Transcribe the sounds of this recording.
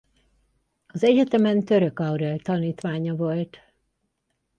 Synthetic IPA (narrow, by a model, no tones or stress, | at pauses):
ɒzɛɟɛt̪ɛmɛnt̪ø̞ɾø̞kɒwɾɛlt̪ɒniːt̪ʋaːɲɒvo̞lt̪